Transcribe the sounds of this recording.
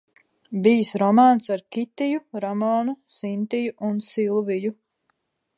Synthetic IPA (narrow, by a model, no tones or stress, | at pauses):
bijsɾɔmaːnsaɾkʲit̪ijuɾɔmɔːnusint̪ijuʔunsilˠviju